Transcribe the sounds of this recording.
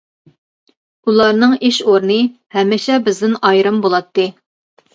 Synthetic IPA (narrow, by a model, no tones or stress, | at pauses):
ulˠɑɾnɨŋeʃoɾnɨ | hɛmːɪʃɛbɪzd̪ɪnɑjɾɨmbolˠɑt̪ːɨ